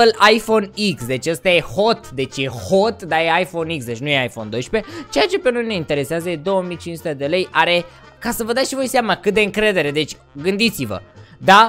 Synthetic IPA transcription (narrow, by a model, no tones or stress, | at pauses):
əlajfo̞niksd̪e̞t͡ʃʲəst̪aje̞ho̞t̪d̪e̞t͡ʃʲje̞ho̞t̪d̪ajeajfo̞niksd̪e̞t͡ʃʲnuje̞ajfo̞̰nd̪ojʃpe̞t͡ʃe̞jat͡ʃe̞pe̞no̞jne̞int̪e̞ɾe̞seazəje̞d̪o̞wəmijt͡ʃinsut̪e̞d̪e̞le̞jʔaɾe̞ | kasəvəd̪at̪ʃivo̞jseamakɨt̪̚d̪e̞ɨŋkɾe̞d̪e̞ɾe̞d̪e̞t͡ʃʲ | ɡɨnd̪it̪sivə̰d̪a